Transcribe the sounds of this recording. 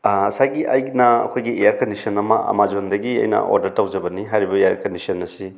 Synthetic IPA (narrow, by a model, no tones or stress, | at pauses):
ɐsaɡiʔajɡnɐɐ̰kʰojɡiejaɾkɐndisʰɐnɐmɐʔɐ̰mad͡ʒondɐɡiɐ̰jnɐ̰o̰ɾdɐɾtawd͡ʒɐbɐniɦajɾibɐejaɾkɐndisɐnːɐsi